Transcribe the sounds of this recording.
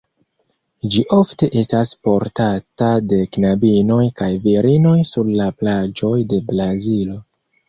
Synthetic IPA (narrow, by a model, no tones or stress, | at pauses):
d͡ʒiʔo̞fte̞ʔe̞staspo̞ɾtatade̞knabino̞jkajviɾino̞jsuɾlaplad͡ʒo̞jde̞bɾazilo̞